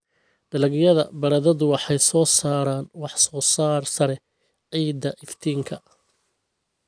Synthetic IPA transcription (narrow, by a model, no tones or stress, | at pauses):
ɖ̥ɐlɐɡjɐðɐbɐɾɐðɐðʊwɑħɑjsɔːsaːɾaːnwɑħsɔːsaːrsɐɾɛ | ʕiːd̪ːɐʔɪft̪ʰiːŋkʰɐ